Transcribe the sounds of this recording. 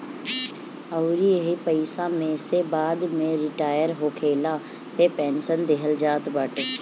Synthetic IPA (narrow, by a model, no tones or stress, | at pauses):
əwɾiəɦipəɪsãːmẽsebaːd̪mẽɾɪʈaːjəɾɦoːkʰeːlãː | t̪epɛːnsənd̪eɦəld͡ʒaːt̪baːʈeː